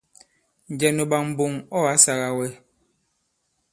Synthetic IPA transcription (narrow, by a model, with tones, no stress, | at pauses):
n̩˨d͡ʒɛ˨no˨ɓa˨ŋm̩˨bo˨ŋɔ˦a˨˦sa˨ɣa˨wɛ˦